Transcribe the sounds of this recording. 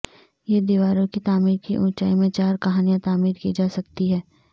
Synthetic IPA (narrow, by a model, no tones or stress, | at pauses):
jed̪iʋaːɾõkit̪aːmiːɾkiʔũːt͡ʃaːimẽt͡ʃaːɾkɐɦaːnijãt̪aːmiːɾkid͡ʒaːsɐkt̪iɦɛː